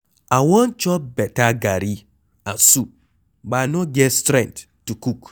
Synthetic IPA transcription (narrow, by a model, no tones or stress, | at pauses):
awɔnt͡ʃɔpbɛtaɡaɾi | ãnsu | banoɡɛtstɾɛ̃ntːukuk